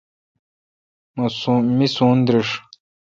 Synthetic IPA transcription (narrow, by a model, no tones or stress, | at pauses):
msumisũːnd̪ɾiʂ